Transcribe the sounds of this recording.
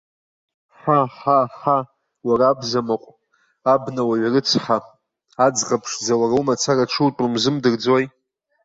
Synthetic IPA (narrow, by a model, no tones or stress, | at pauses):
ħaħaħa | waraːbzamaqʷʼ | abnawaɥʷarɨt͡sʰħa | ad͡zʁapʰʂd͡zawaraumat͡sʰaraʈ͡ʂʰɨwtʷʼrmzɨmdɨrd͡zoj